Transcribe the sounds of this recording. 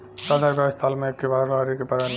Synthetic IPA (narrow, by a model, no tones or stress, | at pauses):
sad̪ʱaɾɡast̪ʰalmẽekːebaɾaɾikepəɾan